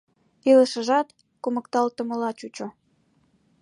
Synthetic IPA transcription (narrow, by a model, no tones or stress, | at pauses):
iləʃəʒɑt̪ | kuməkt̪ɑlt̪əməlɑt͡ɕut͡ɕo